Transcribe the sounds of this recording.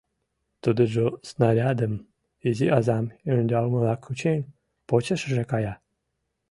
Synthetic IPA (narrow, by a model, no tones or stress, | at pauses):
t̪ud̪əʒosnaɾʲad̪əm | ezʲiʔɑzɑmenʲd̪ʲɑlməlˠɑkʰːut͡ɕenʲ | pot͡ɕəʃʒekɑjɑ